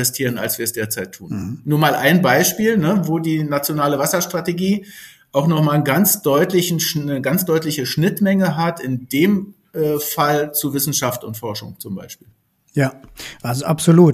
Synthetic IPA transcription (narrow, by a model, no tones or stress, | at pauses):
ɛstʰiːʁəna̰lsv̥iːɐɛsd̥eːɐt͡saɪtʰːuːnnːuːɐmaːlʔaɪnbaɪʃpiːlnəvoːdiːnat͡sjonaːləvasɐʃtʁ̥ateɡiː | ʔaʊxnɔχmaːlnɡant͡sd̥ɔʏtlɪçn̩nəɡant͡sd̥ɔʏtlɪçəʃnɪtmɛŋəɦatɪndeːm | ʔɛːfalt͡suvɪsn̩ʃaftʊ̰ntfɔɐʃʊ̰ŋt͡sʊmba̰ɪʃpiːl | jaːʔazoʔapz̥oluːt